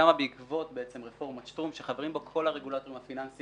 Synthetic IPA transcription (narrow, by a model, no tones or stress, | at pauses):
amabeikvo̞tbeet͡semʁefo̞ʁmotʃt̪ʁumʃeχaveimbo̞kʰo̞lhaʁe̞ɡulat̪o̞ʁimhafinansi